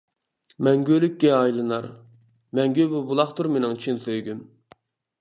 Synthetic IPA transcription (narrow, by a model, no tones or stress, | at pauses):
mɛŋɡʲølykʲːɛɑjlˠɨnɑ̰ɾ | mɛŋɡʲøbubulˠɑχt̪ʰuɾmenɪŋt͡ʃʰinsøjɡʲym